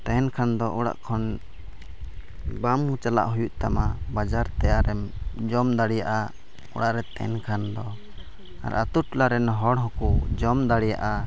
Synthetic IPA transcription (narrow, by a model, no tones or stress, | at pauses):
t̪ɛɛnkʰand̪ɔʔɔɽa̰ʔkʰɔn | bamhut͡ʃala̰ʔɦujuʔt̪amabad͡ʒaɾt̪ɛjaʔɾɛmd͡ʒɔmd̪aɽijaʔa | ɔ̰ɽaʔɾɛt̪ɛ̰nkʰand̪ɔ | a̰ɾʔat̪uʈlaɾɛnɦɔɽɦɔkud͡ʒɔmd̪aɽija̰ʔa